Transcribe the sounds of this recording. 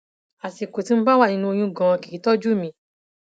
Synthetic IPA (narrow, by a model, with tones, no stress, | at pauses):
a˨si˨ko˨ti˨˦m̩̃˦ba˦wa˦˨ĩ˧nũ˧o˧j̃ũ˧˦ɡã˨˧ki˨˦tɔ˦d͡ʒu˦˨mĩ˧˦